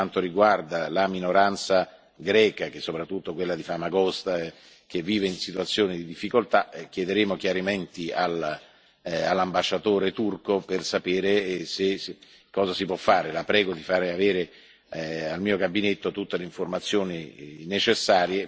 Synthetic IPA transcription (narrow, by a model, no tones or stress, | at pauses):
ant̪oɾiɡward̪alaminoɾant̪sa | ɡɾɛːkak̟esːopɾat̪ːut̪ːokwelːad̪ifamaɡɔst̪a | k̟evːiːveinsit̪uat̪sːjoːnid̪id̪ifːikolt̪akjed̪eɾeːmok̟jaɾiment̪ial | alːambaʃːat̪oːɾet̪urkopersapeːɾese | kːɔːzasipwɔfːaːɾelapɾɛːɡod̪ifaːɾeaveːɾe | almiːoɡabinet̪ːot̪ut̪ːeleiɱformat̪sːjoːninet͡ʃesːaːɾje